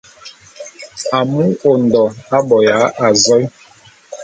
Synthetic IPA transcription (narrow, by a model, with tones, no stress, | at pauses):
a˨mu˦o˨n˨dɔ˨a˦bɔ˨ja˨˦ʔa˨zɔ˦j